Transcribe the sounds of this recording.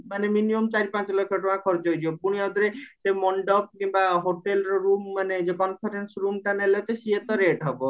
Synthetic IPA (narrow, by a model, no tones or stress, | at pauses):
maneminiumt͡ʃaɾipãt͡ʃlɔkʰːɔʈoakʰɔɾt͡ʃɦojd͡ʒʰiopuɽ̃iad̪ɾesemɔɳɖɔp̚kimbaɦoʈelɾɔɾumːaned͡ʒekɔnpʰaɾensɾumʈanelet̪esiet̪ɔɾeʈɦɔbɔ